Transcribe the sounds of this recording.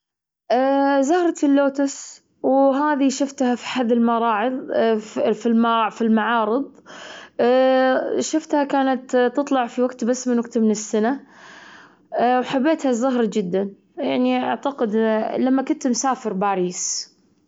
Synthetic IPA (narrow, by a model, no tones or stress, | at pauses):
ʔazʊhɾˤɑt̪ɪlːoːt̪ʊs | wɦaːðiʃʊft̪hafi̥ħaðːɪlmɑɾˤɑːʕɨðˤ | filmfilmaʕɑːɾɨðˤ | ʃʊft̪hakaːnat̪t̪ːɨt̪ˤlɑʕfiwaɡt̪basːmɪnwaɡt̪mɪnɪsːana | wħabːeːt̪hazʊɦɾˤɑd͡ʒɪd̪ːan | jaʕniʔa̰ʕt̪aqɪd̪lamːakʊnt̪msaːfɪɾbaːɾiːs